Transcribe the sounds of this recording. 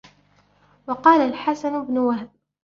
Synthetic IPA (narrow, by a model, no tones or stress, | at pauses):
wɑqɑːlalħasanbnʊwahb̚